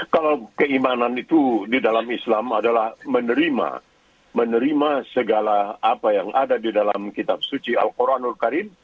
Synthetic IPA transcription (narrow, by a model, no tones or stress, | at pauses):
kalawkəimananit̪udidalamislamadalahmənəɾima̰ | mənəɾimasəɡalaapajaŋʔa̰dadidalamkit̪ap̚sut͡ʃia̰lkoɾanulkaɾin